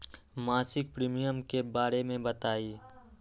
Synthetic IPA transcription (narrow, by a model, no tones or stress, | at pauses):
maːsɪk̚pɾiːmijəmkebaːɾemẽbɐt̪aːiː